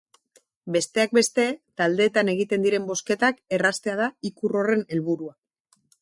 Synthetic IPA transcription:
be̞st̪e̞ak̚be̞st̪e̞t̪ald̪e̞ːt̪ane̞ɣ̞it̪e̞nd̪iɾe̞mbo̞ske̞t̪ake̞rast̪e̞að̞aikuro̞re̞ne̞lβuɾua

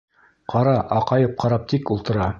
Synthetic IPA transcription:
qʰɑɾɑʔɑqɑjɤp̚qʰɑɾɑp̚t̪ʰikulˠt̪ɤ̆ɾɑ

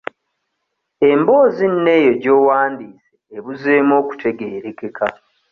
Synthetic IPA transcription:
e̞mbo̞ːzinne̞ːjo̞ɟo̞ːwaːndiːseːβuzeːmo̞ːku̥tʰe̞ɡe̞ːɾe̞ke̞ka

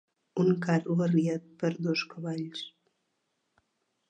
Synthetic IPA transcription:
uŋkaɾuβəriat̪̚pəɾd̪oskəβaʎs

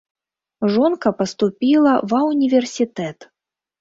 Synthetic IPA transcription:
ʐɔnkɐpɐst̪upʲilˠɐvɐwnʲivʲɛrsʲit̪ɛt̪

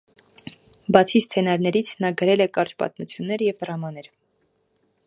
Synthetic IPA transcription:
bɑt͡sʰist͡sʰɛnɑɾnɛɾit͡sʰnɑɡəɾɛlɛkɑɾt͡ʃpɑ̰t̪mut͡sʰjunːɛɾəjɛvd̪əɾɑmɑnɛɾ

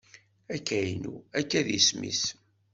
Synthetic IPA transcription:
ækːæjnuækːæðismḭs

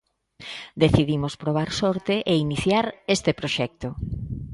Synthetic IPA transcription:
d̪eθiðimospɾoβ̞aɾsɔɾt̪eʔeiniθjaɾest̪epɾoʃɛk̚t̪o

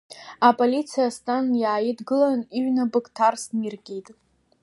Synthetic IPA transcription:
apʼolit͡sʰijastʼanjaːjitɡɨlaniɥnabɨkʼtʰarsnirɡʲejtʼ

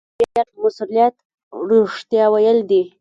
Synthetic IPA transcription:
bajaɾmasulijat̪ | ɾoʂt̪jɑwajəld̪i

